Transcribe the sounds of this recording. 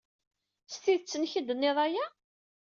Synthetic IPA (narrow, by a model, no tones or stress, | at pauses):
st̪iðt͡sːənçid̪ənːiðˤajæ